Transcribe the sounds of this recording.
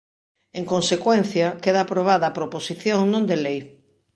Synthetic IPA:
eŋkonsekwen̟θjakeð̞aːpɾoβ̞aðɐːpɾoposiθjõŋnõnd̪elej

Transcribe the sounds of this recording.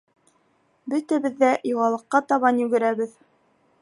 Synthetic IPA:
bɵt̪æβɘ̆ðːæjuʁɑlˠɤ̆qːɑt̪ɑβɑnjɵɡɘ̆ɾæβɘð

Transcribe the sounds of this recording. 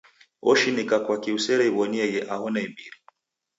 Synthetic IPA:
ɔʃinikakwakiusɛɾɛiβɔniɛjɛʔahɔnaimbiɾi

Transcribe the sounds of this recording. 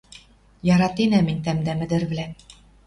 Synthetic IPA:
jɑɾɑt̪inæminʲt̪æmd̪æmɘ̆d̪ɘ̆ɾβɘ̆læ

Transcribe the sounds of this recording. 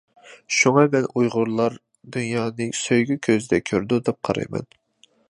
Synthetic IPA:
ʃuŋɑmɛnujʁʊɾlˠɑɾ | d̪ynjɑːnɨsøjɡʲykʲʰøzɪd̪ɛkʲʰøɾd̪ud̪ɛp̚qʰɑɾɑ̰jmɛ̰n

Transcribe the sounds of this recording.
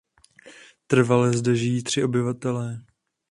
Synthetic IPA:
t̪r̩valɛzdɛʒɪjiːt̪r̝̥ɪʔo̞bɪvat̪ɛlɛː

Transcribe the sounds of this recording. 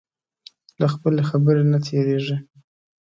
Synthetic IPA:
laxpəlexabəɾenat̪ʰeɾeʐi

